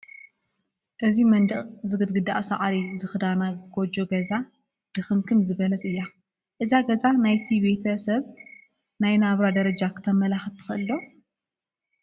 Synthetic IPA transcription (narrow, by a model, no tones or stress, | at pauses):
ʔɨzimɐnd̪ɐʔʼzɨɡɨd̪ɡɨd̪aʔsaʔɾizɨxɨd̪anaɡ̥od͡ʒoɡɐza | d̪̥ɨxɨmkʰɨmzɨβɐlɐβɨjːa | ʔɨzaɡɐzanajt̪ʰibe̞t̪ʰɐsɐβ | najnaβɾad̪ɐɾɐd͡ʒakʰɨ̥t̪ʰɐmɐlaxɨt̪ʰːɨ̥xɨʔɨlːo